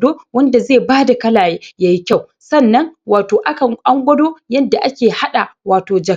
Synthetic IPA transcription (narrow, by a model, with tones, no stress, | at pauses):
doː˦wɐ˦nda˨zeː˦˨baː˦da˨kɐ˦laː˨jeː˦jaː˦ji˦kʲa˦˨w | sɐ˦˨nːɐ˦ŋwaː˨toː˨ʔa˦kɐ˨ŋʔa˦ŋɡʷɐ˦doː˦jɐ˦nda˨ʔa˦kʲeː˨ha˦ɗa˨waː˨toː˨d͡ʒɐ˨